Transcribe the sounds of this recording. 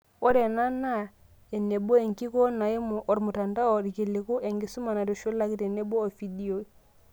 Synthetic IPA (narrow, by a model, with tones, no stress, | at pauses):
ɔ˦ɾɛ˨na˦na˦ | ɛ˨nɛ˨bɔ˦ɛ˨ŋki˦kɔ˦na˨i˦mɔ˨ʔɔ˨ɾmu˨ta˨nda˦ɔ˨ɾi˨ki˨li˨ku˦ʔɛ˨ŋɡi˨su˦ma˨na˨dɔ˨ʃo˦la˦ki˦tɛ˨nɛ˦bɔ˦ɔ˨fi˨di˦o˨˦